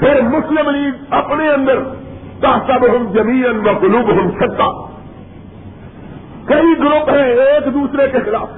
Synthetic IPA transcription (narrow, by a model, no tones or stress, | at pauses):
pʰɪɾmʊslɪmliːɡɐpñeɐ̃nd̪əɾt̪aːsabɪɦʊ̃nd͡ʒɐmiːənʋɐ̃qʊlubɦʊ̃nt͡ʃʰɐk̚t̪aː | kɐiɡʊɾʊpɦẽeːkd̪uːsɾekʰexɪlaːf